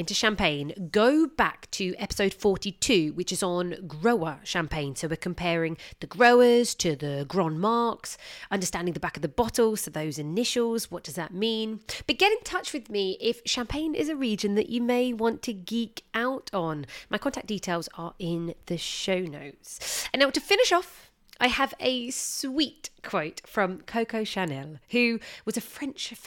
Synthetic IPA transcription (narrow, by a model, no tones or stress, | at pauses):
ɪ̃ntɨʃæ̃mpʰẽɪ̃nɡoʊbaktʰɨʔɛpɪ̥soʊd̥fɔɹtitʰʉwɨt͡ʃɨzn̩ɡɹoʊəʃæ̃mpʰẽɪ̃nsoʊwɪkʰə̃mpʰɛːɹɪ̃ŋðəɡɹoʊəz̥tʰɨðəɡɹɔ̃nmɑɹksʌ̃ndə˞stæ̃ndɪ̃ŋðəbakəvðəbɑtˡl̩ˠz̥fəðəʊzɨnɪʃəl̩ˠzwɒʔ̚d̥ʌzðət̚mĩnb̥ʌt̚ɡ̥ɛɾɪ̃ntʰʌt͡ʃwɨðmiʔɪfʃæ̃mpʰẽɪ̃nɪ̰zɨɹid͡ʒɨ̃nðɨ̰t͡ʃɨmeɪwɒ̃ntʰɨɡiˑkaʊtn̩mʔaɪkʰɒ̃ntʰak̚d̥iˑtʰeɪlˠzə˞ɪ̃nðɨʃoʊnoʊtsə̃nːaʊtəfɪ̃nɪʃɒf | ʔaɪəvəswiˑtkʰw̥oʊtfɹʌ̃mkʰəʊkʰəʊʃanɛlˠhʉwʌzɨfɹɛ̃nt͡ʃf